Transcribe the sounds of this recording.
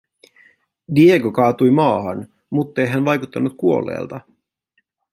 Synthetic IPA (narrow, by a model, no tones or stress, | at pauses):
dieɡokɑːt̪ujmɑːhɑn | mut̪ːe̞jɦænʋɑjkut̪ːɑnːut̪̚kuo̞̰lːḛːlt̪ɑ